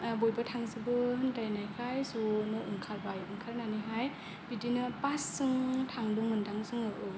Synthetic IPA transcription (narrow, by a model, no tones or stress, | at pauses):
bojbɯtʰaŋzɯbɯhɯndajnajkʰajsunɯʔuŋkʰaɾbajuŋkʰaɾnaniɦaj | b̥idinɯpasːɯŋtʰaŋduŋmɯndaŋzɯŋɯʔɯ